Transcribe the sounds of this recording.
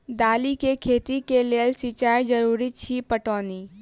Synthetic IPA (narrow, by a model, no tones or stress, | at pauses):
d̪aːlikekʰeːt̪ikeleːəlsit͡ʃaːjd͡ʒɐɾuːɾit͡ʃʰipəʈoːni